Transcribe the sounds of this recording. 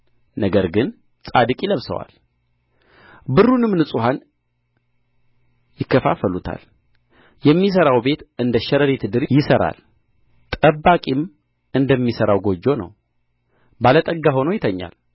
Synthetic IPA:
nəɡəɾɡɨn | sʼad̪ɨkʼjɪləβsə̰wa̰l | bɨrːunɨmnɨsʼuhan | jɪkːəfafəlut̪ʰa̰l | jɛmːis̬əɾawbe̞t̪ʔɨnd̪əʃɛɾəɾit̪ʰɨd̪ɨɾjɪsəɾa̰l | t̪ʼəbːakʼim | ɨnd̪əmːisəɾawɡo̞d͡ʒːo̞nə̰w | balət̪ʼəɡːaɦo̞nojɪt̪ʰəɲːa̰l

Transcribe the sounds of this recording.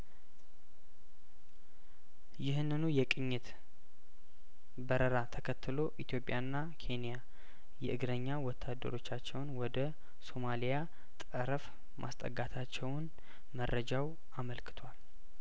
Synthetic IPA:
jɪhɨnːɨnujɛkʼɨɲːɪt̪ | bəɾəɾat̪ʰəkʰət̪ʰːɨlo̞ʔit̪ʰjo̞pʼjanːa | kʰe̞nija | jɛ̰ʔɨɡɾəɲːawɔt̪ʰːad̪ːə̰ɾo̞t͡ʃːat͡ʃːɛwnwɔd̪ə | so̞malija | t̪ʼəɾəf | mʔa̰st̪ʼə̰ɡːat̪ʰat͡ʃːɛwn | mərːəd͡ʒaw | aməlkʰɨ̥t̪ʰwal

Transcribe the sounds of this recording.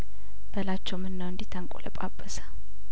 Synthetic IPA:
b̥əlat͡ʃːɛwmɨnːəwɨnd̪it̪ʰəŋkʼoləpʼabʼːəsə̥

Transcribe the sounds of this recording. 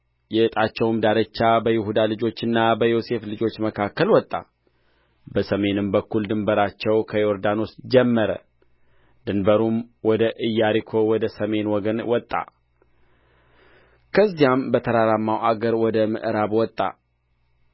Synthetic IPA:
jɛʔɨt̪ʼat͡ʃːɛwmd̪aɾət͡ʃːabəjɪɦud̪alɨd͡ʒo̞t͡ʃːɨnːabəjo̞se̞flɨd͡ʒo̞t͡ʃːməkʰakːəlwɔt̪ʼːa̰ | bəsəme̞nɨmbəkːuld̪ɨmbəɾat͡ʃːɛwkʰəjoɾd̪ano̞sd͡ʒɛmːəɾə̰ | d̪̥ɨnbəɾumwɔd̪əʔɨjːaɾikʰo̞wɔd̪əsəme̞nwɔɡənwɔt̪ʼːa̰ | kʰəzːijambət̪ʰəɾaɾamːawʔaɡəɾwɔd̪əmɨ̰ʔɾaβwɔt̪ʼːa̰

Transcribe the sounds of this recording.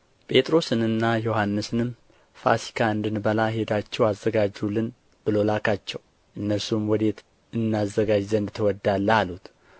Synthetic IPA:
pʼe̞t̪ʼɾo̞sɨnɨnːajohanːɨsɨnɨm | fa̰si̥kʰaɨnd̪ɨnbəlahe̞d̪at͡ʃːɛwazːəɡad͡ʒulːɨn | b̥ɨlo̞lakʰat͡ʃːɛw | ʔɨnːəsumwɔd̪e̞t̪ | ɨnːazːəɡad͡ʒzənd̪t̪ʰəwɔd̪ːalːəalut̪

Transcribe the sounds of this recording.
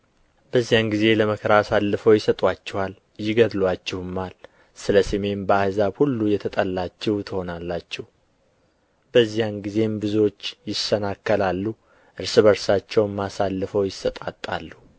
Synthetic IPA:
bəzːijanɡize̞ləməkʰəɾasalːɨfəwjɪsət̪ʼat͡ʃːɛwal | jɪɡəd̪lwat͡ʃːɪhɨmːal | sɨləsəme̞nbəahzabhulːujɛt̪ʰət̪ʼəlːat͡ʃːɛwt̪ʰɨho̞nalːat͡ʃːɛh | b̥əzːijanɡize̞mbɨzo̞t͡ʃːjɪsənakːəlalːu | ʔɨɾsɨβəɾsat͡ʃːɛwmːasalːɨfəwjɪsət̪ʼat̪ʼːa̰lːu

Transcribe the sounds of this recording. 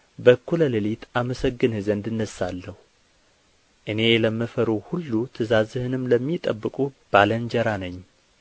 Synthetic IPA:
bəkʰːuləlɨlit̪ʰaməsəɡːɨnhɨzənd̪ɨnːəsːalːəhu | ʔɨne̞ləmːɨfəɾuhulːut̪ʰɨzazɨhɨnɨmləmːit̪ʼəbːɨkʼub̥alənd͡ʒəɾanəɲː

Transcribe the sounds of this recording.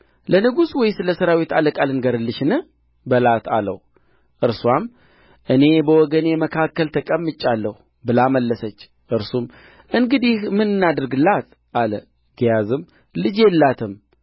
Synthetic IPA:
lənɨɡuswɔjsɨləsəɾawit̪aləkʼalɨnɡəɾɨlːɨʃnɨ | bəlat̪a̰lə̰hu | ʔɨɾswam | ʔɨne̞bəwɔɡənjɛməkʰakːəlt̪ʰəkʼəmːɨt͡ʃʼːalːəhu | bɨlaməlːəsət͡ʃː | ʔɨɾsum | ʔɨŋɡɨd̪ihmːɨnɨnːad̪əɾɡɨlːat̪ | ʔalə | ɡijazɨm | lɨd͡ʒjɛlːat̪ʰɨm

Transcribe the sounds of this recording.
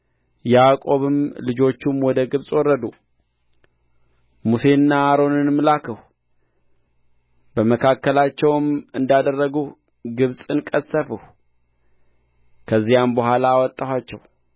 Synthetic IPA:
jakʼo̞βɨmlɨd͡ʒo̞t͡ʃːumwɔd̪əɡɨβsʼwɔrːəd̪u | muse̞nːaːɾo̞nɨnmlakʰəh | bəməkʰakːəlat͡ʃːɛwmɨnd̪ad̪ərːəɡu | ɡɨβsʼɨnkʼəsːəfəh | kʰəzːijambəhʷalawɔt̪ʼːawat͡ʃːɛw

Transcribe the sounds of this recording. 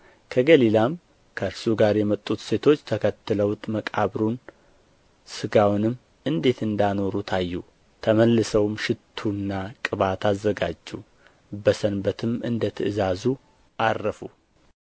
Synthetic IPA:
kʰəɡəlilam | kʰəɨɾsuɡaɾjɛmət̪ʼːut̪se̞t̪ʰo̞t͡ʃːt̪ʰəkʰət̪ːɨləwt̪ʼməkʼaβɾun | sɨɡawnɨmː | ɨnd̪e̞t̪ɨnd̪ano̞ɾut̪ʰajːu | t̪ʰəməlːɨsəwmʃɪt̪ʰːunːakʼɨβat̪ʰazːəɡad͡ʒːu | bəsənbət̪ʰɨmɨnd̪ət̪ʰɨɨzazu | ʔarːəfu

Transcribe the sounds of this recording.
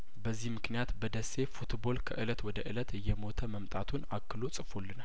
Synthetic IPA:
bəzːihmɨknijat̪bəd̪əsːe̞fut̪bo̞lkʰəʔɨlət̪wɔd̪əʔɨlət̪ɨjːɛmo̞t̪ʰəməmt̪ʼat̪ʰunakːɨlosʼɨfo̞lːɨnal

